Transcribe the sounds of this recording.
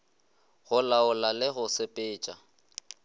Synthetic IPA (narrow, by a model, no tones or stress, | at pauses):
ɣʊlaʊlalɛɣʊsɪpʼɪːt͡ʃʼa